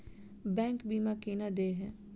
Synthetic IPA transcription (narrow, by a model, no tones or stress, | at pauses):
bɛ̃ːŋkbiːmakeːnad̪eːɦɛ̃ː